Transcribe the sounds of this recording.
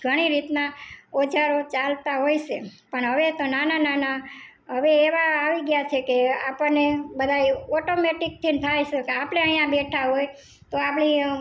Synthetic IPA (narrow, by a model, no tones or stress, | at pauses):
ɡʱəɽ̃iɾit̪naɔd͡ʒaɾot͡ʃalt̪aɦojʃepəɳɦəʋet̪onananana | ɦəʋeːʋaːʋiɡjat͡ʃʰekeapənːebəd̪ʱajɔʈomeʈik̚t̪ʰint̪ʰajʃekeapɽeəɦijãbeʈʰaɦoj | t̪oapni